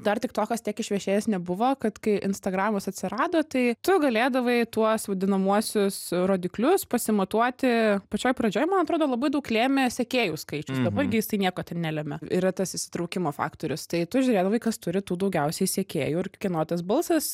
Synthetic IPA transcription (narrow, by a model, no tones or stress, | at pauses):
d̪ɐrt̪ʲɪkt̪oːkʲɐst̪ʲiɛkɪʃʲʋʲɛʃʲeːjɛsnʲɛbʊʋokɐt̪kɐɪʔɪnst̪ɐɡɾɑːʋʲɪmɐsɐt̪ʲsʲɪɾɑːd̪oːt̪ɐɪt̪ʊɡɐlʲeːd̪ɐʋɐɪt̪uɔsʋɐd̪ʲɪnɐmuɔsʲʊsroːd̪ʲɪklʲʊspɐsʲɪmɐt̪uɔt̪ʲɪpɐt͡ʃʲoːjpɾɐd͡ʒʲoːjmɐnɐt̪ɾoːd̪oːlˠɐbɐɪd̪ɐʊklʲeːmʲɛsʲɛkʲeːjuːskɐɪt͡ʃʲʊsd̪ɐbɐɪɾɡʲɪjɪsɐɪnʲiɛkoːt̪ʲɛnnʲælʲɛmʲɛḭɾɐt̪ɐsɪʃsʲɪ̥t̪ɾɐʊkʲɪmoːfɑ̰ːkt̪oːɾʲʊst̪ɐɪt̪ʊʒʲʊɾʲeːd̪ɐʋɐɪkɐst̪ʊɾʲɪt̪uːd̪ɐʊɡʲɛʊsʲɛɪsʲɛkʲeːjuːɪrkʲɪnoːt̪ʲɛsbɐlˠsɐs